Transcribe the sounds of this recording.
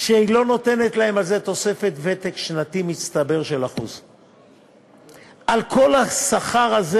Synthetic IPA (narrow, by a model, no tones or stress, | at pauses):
ʃehilo̞no̞t̪e̞netlahe̞malze̞t̪o̞se̞fe̞t̪vet̪ekʃnat̪imit͡st̪abe̞ʁʃelaχṵz | ʔalkʰo̞lasaχaʁaze